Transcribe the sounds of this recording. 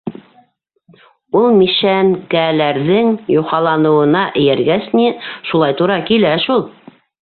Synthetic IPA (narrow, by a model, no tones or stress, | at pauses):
ulˠmiʃæŋkælæɾðɘŋjuqɑlˠɑnɤ̆wɤ̆nɑʔɘ̆jæɾɡæsniʃulˠɑjt̪uɾɑkilæʃulˠ